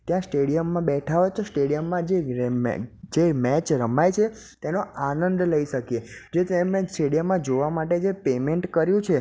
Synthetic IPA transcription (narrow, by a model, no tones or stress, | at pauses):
t̪jãsʈeɽijəmːãbɛʈʰaʋet̪osʈeɽijəmːãd͡ʒḛ | d͡ʒemɛt͡ʃɾəmajt͡ʃʰe | t̪enoanənd̪ləiʃəkjed͡ʒet̪emẽsʈeɽijəmːãd͡ʒoʋamaʈed͡ʒepemeɳʈkəɾjũt͡ʃʰe